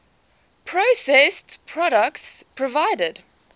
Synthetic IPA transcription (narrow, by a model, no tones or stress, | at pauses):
pʰɹosɛstpʰɹɔɾəktspʰɹ̥ɔvaɪdəd̥